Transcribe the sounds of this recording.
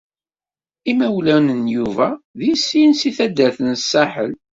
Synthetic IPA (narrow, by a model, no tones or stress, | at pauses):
imæwlænənjuvæðisːinsiθæd̪ːæɾθənsːaħə̰l